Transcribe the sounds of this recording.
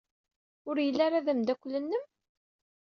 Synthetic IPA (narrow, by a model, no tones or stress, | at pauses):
ʊɾjəlːaɾaðæmd̪ækʷːlənːəm